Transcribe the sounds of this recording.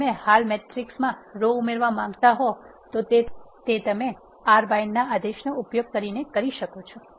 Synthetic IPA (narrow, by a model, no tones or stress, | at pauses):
ẽhalmeʈɾiksmãɾoumeɾʋamãŋɡt̪aɦot̪ot̪et̪et̪əme | aɾbajnːaad̪eʃnoupjoɡ̚kəɾinekəɾiʃəkot͡ʃʰɔ